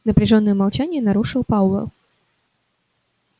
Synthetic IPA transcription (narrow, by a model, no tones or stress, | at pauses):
nəpɾʲɪʐonːəjəmalˠt͡ɕænʲɪjənɐɾuʂɨlˠpawvɛ̰lˠ